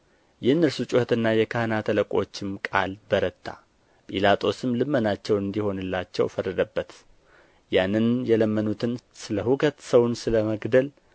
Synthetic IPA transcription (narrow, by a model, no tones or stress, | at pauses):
jɛɨnːɨɾsut͡ʃʼuhət̪ɨnːajɛkʰahnat̪ʰələkʼo̞̰t͡ʃːɪmkʼa̰lbəɾət̪ʰːa̰ | pʼilat̪ʼʰo̞sɨmlɨmːənat͡ʃːɛwɨnd̪iho̞nɨlːat͡ʃːɛ̰wfərːəd̪əbːət̪ | janːɨnjɛləmːənut̪ʰɨnsɨləhukʰət̪səwnsɨləməɡd̪əl